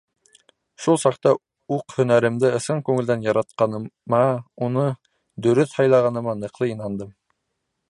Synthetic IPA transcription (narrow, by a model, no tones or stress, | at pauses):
ʃulˠsɑqt̪ɑ | uqhɵ̆næɾɘ̆md̪ɘɤ̆sɤɴkʉŋɘld̪ænjɑɾɑt̪̚qɑnɤ̆mɑunɤ | d̪ɵ̆ɾɵθhɑjlˠɑʁɑnɤ̆mɑnɤ̆qlˠɤinɑnd̪ɤm